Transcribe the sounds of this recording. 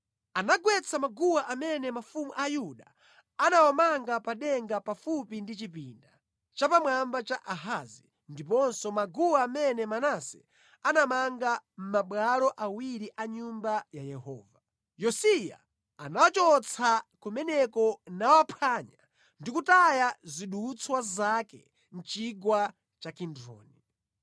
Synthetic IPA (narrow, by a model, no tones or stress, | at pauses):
anaɡwɛt͡sʰamaɡuwaʔamɛnɛmafumuʔajuɗa | anawamaŋɡapaɗɛŋɡapafupindit͡ʃipḭːnda | t͡ʃapamwambat͡ʃaʔaɦazi | ndip̬ɔnsɔmaɡuwaːmɛnɛmanasɛ | anamaŋɡam̩maɓwalɔʔawiɾiʔaɲumbajajɛhɔ̰ːva | jɔsija̰ː | nawat͡ʃɔt͡sʰakumɛnɛkɔnawapʰaːɲa | ndikutajaziɗut͡swazakɛ̰ | n̩t͡ʃiɡwa | t͡ʃakindɾɔ̰ːni